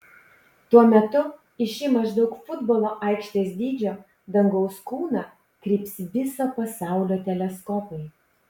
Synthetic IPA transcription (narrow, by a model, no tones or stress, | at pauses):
t̪uɔmʲɛt̪ʊ | ɪʃʲɪmɐʒd̪ɒʊkfʊd̪boːlˠoːʔɐˑɪkʃʲt̪ʲeːsʲd̪ʲiːd͡ʒʲoː | d̪ɐŋɡɒʊskuːnɑː | kɾʲiːpʲsʲʋʲɪsoːpɐsɑˑʊlʲoːt̪ʲɛlʲɛskɔpɐɪ